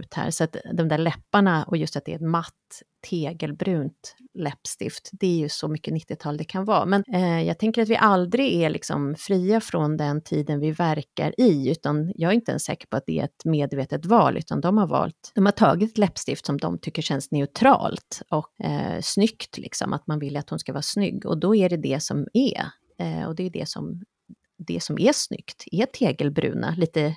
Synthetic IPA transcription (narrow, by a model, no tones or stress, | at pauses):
ʉːt̪hæ̰ːɾsɔat̪d̪ɔmd̪æːɭɛpːaɳaʔɔjɵst̪at̪̚d̪ɛ̰ɛt̪mat̪ːʰ | eːɡəlbɾʉ̟ːnt̪lɛpːst̪ɪ̰ft̪d̪ɛæɾjɵsɔmʏkːənɪt̪ːɪt̪ʰɑːld̪ɛkʰanvɑ̰ːmɛnjɑːɡ̚t̪ʰɛŋkəɾat̪vɪ̰ʔald̪ɾɪɡælɪksɔ̰mfɾiːafɾɔnd̪ɛnt̪ʰiːd̪ənvɪvæɾka̰ɾɪʉ̟ːt̪anjɑːɡæɾɪnt̪əɛ̰nsɛ̰ːkə̥ɾpʰɔat̪̚d̪ɛɛ̰ɛt̪meːd̪veːt̪ət̪vɑːlʔʉ̟ːt̪ʰand̪ɔmhaɾvɑ̰ːlt̪d̪ɔmhaʈʰɑːɡɪt̪ɛt̪lɛpːst̪ɪft̪sɔmd̪ɔ̰mt̪ʰʏkːəʂɛnsnɛʉt̪ʰɾɑ̰ːlt̪ɔkːsnʏkt̪ʰlʔɪksɔ̰mʔat̪manvɪlːat̪hʊnskavɑːɾsnʏ̰ɡːɔ̰d̪ɔæɖɛd̪ɛsɔmæ̰ | ɔ̰d̪ɛjd̪ɛ̰sɔ̰m | d̪ɛ̰sɔmʔæʂnʏ̰kt̪ɛt̪ʰeːɡəlbɾʉ̟̰ːnʔa̰liːt̪ə